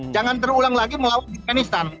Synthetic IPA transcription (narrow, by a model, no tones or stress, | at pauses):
d͡ʒaŋant̪əɾulaŋlaɡiməlawanafɡanist̪an